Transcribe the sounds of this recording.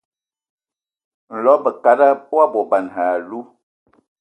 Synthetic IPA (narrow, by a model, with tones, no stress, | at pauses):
n̩˨lɔ˨˦bə˨ka˨da˦pwa˦bɔ˨ba˨nɦa˨lu˦